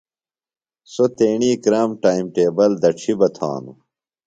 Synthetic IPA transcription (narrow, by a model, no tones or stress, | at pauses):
sot̪eːɳiːkɾaːmʈaːimʈeːbɐld̪ɐʈ͡ʂʰibɐt̪ʰa̰ːnṵ